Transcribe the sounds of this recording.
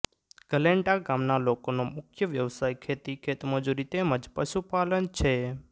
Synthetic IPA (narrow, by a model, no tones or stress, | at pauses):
ɡ̥əleɳʈaɡamnalokonomʊkʰjəʋjəʋsajkʰet̪ikʰet̪məd͡ʒuɾit̪eməd͡ʒpəʃupalənt͡ʃʰe